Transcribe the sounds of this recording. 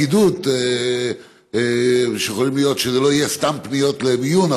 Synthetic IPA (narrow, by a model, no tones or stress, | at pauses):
id̪ut̪e | ʃeexolimlijo̞t̪ʃezelo̞ijest̪ampnijo̞t̪lebijuna